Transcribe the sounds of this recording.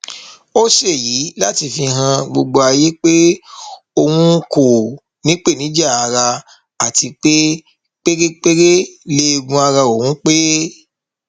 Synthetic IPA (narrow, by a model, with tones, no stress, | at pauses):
o˦ʃe˦˨ji˨˦la˦ti˧fĩ˧ɦã˧ɡ͡bo˧ɡ͡bo˧a˧je˦k͡pe˦ | o˧wũ˦ko˦˨ | nĩ˨˦k͡pe˦˨nĩ˨˦d͡ʒa˦˨a˧ɾa˧ | a˨ti˧k͡pe˦ | k͡pe˦ɾe˦k͡pe˦ɾe˦le˦˧ɡũ˧a˧ɾa˧o˨wũ˦k͡pe˦